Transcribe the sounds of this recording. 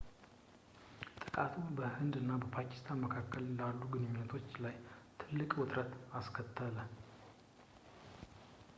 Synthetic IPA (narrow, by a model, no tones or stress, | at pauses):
t̪ʼɨkʼat̪ʰubəhɨnd̪ɨnːabəpʰakʰi̥st̪ʰanməkʰakːəllalːuɡɨnɨɲːɪnːət̪ʰo̞t͡ʃːlajt̪ʰɨlːɨkʼwʊt̪ʼɾət̪askʰət̪ʰːələ